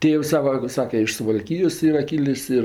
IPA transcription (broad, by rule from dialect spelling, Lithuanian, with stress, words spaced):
ˈtʲeːws ˈsɑːʋɐ ˈsɑːkʲɛ ɪʃ sʊʋɐlʲˈkʲiːjoːs ˈiːrɐ ˈkʲiːlʲɪs ˈɪr